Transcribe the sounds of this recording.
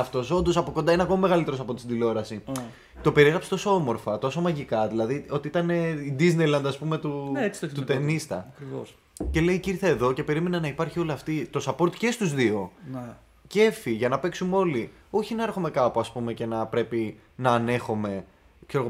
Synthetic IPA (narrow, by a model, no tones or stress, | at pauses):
ɐft̪o̞so̞nd̪o̞sɐpokond̪ɐineɐko̞mɐmeɣɐlit̪eɾosɐpo̞t̪i̥sd̪ilo̞ɾɐsi | t̪o̞pe̞ɾiɣɾɐpset̪o̞so̞omo̞ɾfɐt̪o̞so̞mɐʝikɐðilɐðio̞t̪iit̪ɐne̞id̪izne̞jlɐnd̪ɐspume̞t̪unet͡si̥t̪ot̪ut̪enist̪ɐɐkɾivo̰s | ce̞le̞iciɾθɐeðo̞ce̞pe̞ɾime̞nɐnɐipɐɾçio̞liɐft̪it̪o̞sɐpo̞ɾt̪i̥ce̞st̪uzðio̞n | ce̞fiʝɐnɐpe̞ksumeo̞li | o̞çinɐeɾxome̞kɐpuɐspume̞ce̞nɐpɾe̞pi | nɐːne̞xome̞ | kse̞ɾoɣ